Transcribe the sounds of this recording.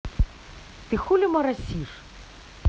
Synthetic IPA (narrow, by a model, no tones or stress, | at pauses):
t̪ɨxulʲɪmɐɾɐsʲiʂ